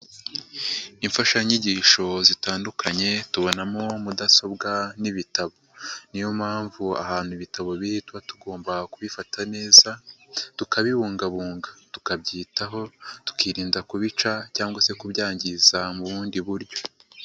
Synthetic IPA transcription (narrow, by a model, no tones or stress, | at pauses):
iɱfaʃaɲiɟiːʃo̞zitaːndukʰaɲe̞tuβo̞namo̞mudaso̞bɡaniβitaβo̞nijomhaːɱvua̰haːn̥huiβitaβo̞βiitwatuɡo̞ːmbakuβifatʰane̞ːzatukaβiβuːŋɡaβuːŋɡatu̥kabɟiːtaɦo̞tu̥kiɾiːndakuβit͡ʃacaːŋɡwase̞kubɟaːɲɟizamuβuːndiβuɾɟo̞